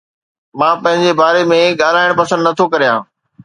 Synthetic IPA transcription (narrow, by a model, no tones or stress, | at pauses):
mãːpɐ̃ɦɪ̃ɲd͡ʑebaːɾemẽɠaːl̤aːɪɽ̃pɐsə̃nd̪nɐt̪ʰokɐɾijãː